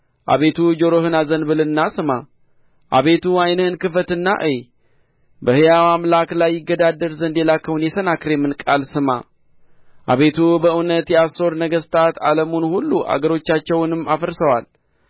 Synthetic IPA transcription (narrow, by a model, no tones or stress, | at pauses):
ʔa̰βe̞t̪ʰud͡ʒo̞ɾo̞hɨnazənbɨlɨnːasɨma | ʔa̰βe̞t̪ʰuajnəhɨnkɨfət̪ɨnːa̰ʔɨj | bəhɨjawamlaklajːɪɡːəd̪ad̪ːəɾzənd̪jelakʰːəwunjɛsənakɾemɨnkʼalsɨma̰ | ʔa̰βe̞t̪ʰubəɨwnət̪jɛaso̞ɾnəɡəst̪ʰat̪ʰa̰ləmunhulːuʔa̰ɡəɾo̞t͡ʃːat͡ʃːɛwnɨmːafəɾsəwal